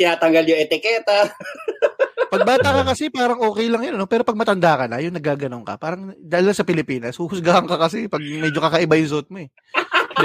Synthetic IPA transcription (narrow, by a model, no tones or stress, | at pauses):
ɪnaːt̪ɐŋɡɐljʊʔɛt̪ɪkɛt̪a | pɐɡ̚baːt̪akɐkɐsɛpaːɾɐŋʔo̞ːkɛjlɐŋjoɐnopɛːɾopɐɡ̚mɐt̪ɐnd̪aːkɐnɐ̰jʊŋnɐɡaːɡɐnoŋkɐ̰paːɾɐŋd̪aːlɐlasɐpɪlɪpiːnɐshʊhʊsɡaːʔɐŋkɐkɐsɛpɐɡ̚mɛːd͡ʒokɐkɐʔɪbajʊŋs̬oːt̪̚mo̞ɛ